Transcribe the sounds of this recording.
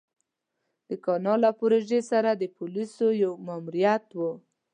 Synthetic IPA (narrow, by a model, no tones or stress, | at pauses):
d̪̥əkɑnɑlapoɾoʒesaɾad̪əpulisojawmamuɾijat̪wə